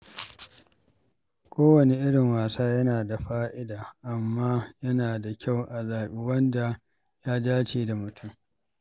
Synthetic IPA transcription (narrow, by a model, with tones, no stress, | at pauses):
kʷoː˦wɐ˨ne˨ʔɪ˦ɽɪ˨ŋwaː˨saː˦jɐ˦naː˨da˨ɸaː˦ʔɪ˦daː˨ʔa˨mːaː˦jɐ˦naː˨da˨kʲa˦˨wʔa˨zaː˨ʔi˦wɐ˦nda˨ | jaː˦daː˦t͡ʃeː˦˨da˨mʊ˨tʰʊ˦m